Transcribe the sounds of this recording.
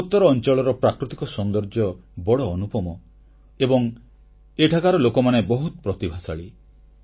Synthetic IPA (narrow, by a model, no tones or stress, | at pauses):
ut̪ːɔɾɔːnt͡ʃɔɭɔɾɔpɾakɾut̪ikɔsɔnd̪ɔɾd͡ʒɔbɔɽɔːnupɔmɔ | ebɔŋ | eʈʰakaɾɔlokɔmanebɔɦut̪ɔpɾɔt̪ibʱasaɭi